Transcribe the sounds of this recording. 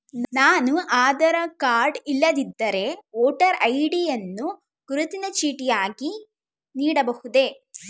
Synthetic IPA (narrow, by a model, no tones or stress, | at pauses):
nnaːnuʔaːd̪ɐɾɐkaːɾɖilːɐd̪id̪ːɐɾe̞ɔːʈɐɾɐjɖijɐnːu | ɡ̥uɾut̪inɐt͡ʃiːʈijaːɡi | niːɽɐbɐhud̪e̞